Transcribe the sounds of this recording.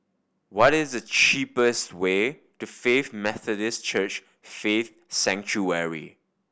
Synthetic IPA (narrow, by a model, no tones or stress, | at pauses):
wɔɾɪzdət͡ʃipəstwe | tufefmɛθədɪst͡ʃət͡ʃ | feθ | sɛ̃ŋt͡ʃuɛɹḭ